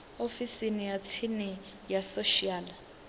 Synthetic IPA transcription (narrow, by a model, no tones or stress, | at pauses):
ofisinijat͡sʰinɛ | jasoʃiaːl